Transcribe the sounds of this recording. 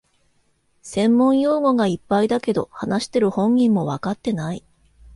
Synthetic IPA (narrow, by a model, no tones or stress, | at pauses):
sẽ̞mːõ̞ɰ̃jo̞ːɡo̞ɡaipːaid̪ake̞d̪o̞hanaɕi̥t̪e̞ɾɯ̟hõ̞ŋɡʲĩmːo̞βakat̪ːe̞nai